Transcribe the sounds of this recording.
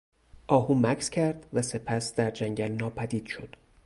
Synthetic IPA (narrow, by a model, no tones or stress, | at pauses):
ʔɒːhuːmækʰscʰæɾd̪̥væse̞pʰæsd̪æɾd͡ʒæŋɟælnɒːpʰæd̪iːd̪̥ʃo̞d̪̥